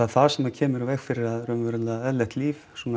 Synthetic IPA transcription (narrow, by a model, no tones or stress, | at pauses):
aðθaðsɛmːacʰɛːmɪɾavɛxfɪɾɪɾaðɾœmvʏɾʏllaɛðlɛht̪liːfsuna